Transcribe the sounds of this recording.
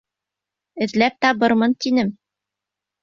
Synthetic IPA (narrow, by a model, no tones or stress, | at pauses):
ɘ̆ðlæp̚t̪ɑβɤɾmɤnt̪inɘm